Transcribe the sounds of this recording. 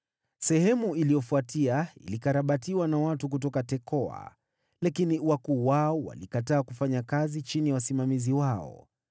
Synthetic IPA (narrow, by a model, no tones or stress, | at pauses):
sɛhɛmuilijɔfuatiaḭlikaɾaɓatiwanawatukutɔkatɛkɔa̰ | lakiniwakuːwaɔwa̰likataːkufaɲakazit͡ʃinijawasimamiziwaɔ̰